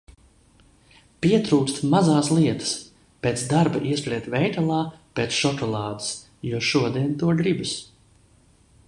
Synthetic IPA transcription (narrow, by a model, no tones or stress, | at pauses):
piɛt̪ɾuːkst̪mazaːslˠiɛt̪ə̥s | peːt̪sd̪aɾbaʔiɛspɾʲɛːt̪vʲɛjt̪alˠaːpeːt̪sʃɔkɔlˠɑːd̪ɨs | juɔʃuɔd̪iɛnt̪uɔɡɾibɨs